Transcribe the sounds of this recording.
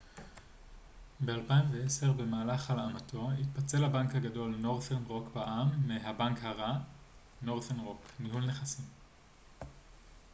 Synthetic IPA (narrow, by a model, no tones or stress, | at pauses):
beaʁpaiɱveese̞ʁbe̞maːlaχalamatʰo̞it̚pat͡se̞lhabaŋkhaɡado̞lno̞ʁθenʁo̞kbaʔamːiɦabaŋkhaʁa | no̞ʁθenʁo̞knihulneχasim